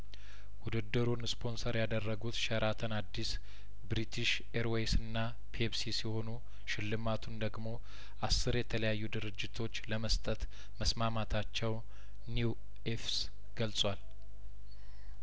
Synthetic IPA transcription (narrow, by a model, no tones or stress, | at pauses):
wud̪ɨd̪ːɨɾunspʰo̞nsəɾjad̪ərːəɡut̪ʃəɾʔat̪ʰənad̪ːis | bɾit̪ʰiʃ | eɾwesɨnːa | pʰebsisiho̞nu | ʃɪlːɨmat̪ʰund̪əɡmo̞ | ʔasːɨɾjɛt̪ʰələjajːud̪ɨɾɨd͡ʒːɪt̪ʰo̞t͡ʃːləməst̪ʼət̪ | məsmamat̪ʰat͡ʃːɛw | nu | efs | ɡ̥əlt͡sʼwal